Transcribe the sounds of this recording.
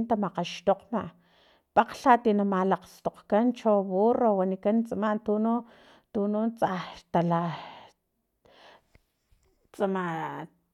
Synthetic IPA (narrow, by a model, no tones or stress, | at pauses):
nt̪amaqaʃt̪oqmaʔ | paqɬat̪inamalaqst̪oqkant͡ʃoβorowanikant͡samat̪unu | t̪ununt͡sat̪ala | t͡sama